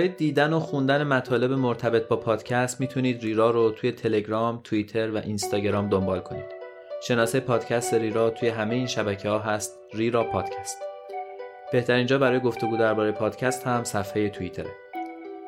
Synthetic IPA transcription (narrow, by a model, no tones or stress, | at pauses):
jed̪iːd̪ænoxund̪æne̞mæt̪ʰɒːle̞bemoɾt̪ʰæbe̞t̪̚bɒːpʰɒːd̪̥cʰæst̪miːt̪ʰuniːd̪ɾiːɾɒːɾot̪ʰuːje̞t̪ʰe̞le̞ɟɾɒːmt̪ʰuit̪ʰe̞ɾvæʔinst̪ɒːɟeɾɒːmd̪ombɒːlkʰo̞nḭːd̪̥ | ʃe̞nɒːsejepʰɒːd̪̥cʰæst̪e̞ɾiːɾɒːt̪ʰuːjeɦæmejeiːnʃæbæcʰehɒːɦæst̪ | riːɾɒːpʰɒːd̪̥cʰæst̪ | b̥e̞ht̪ʰæɾiːnd͡ʒɒːbæɾɒːjeɡo̞ft̪o̞ɡuːd̪æɾbɒːɾejpʰɒːd̪̥cʰæst̪hæmsæfheje̞t̪ʰuit̪ʰe̞ɾe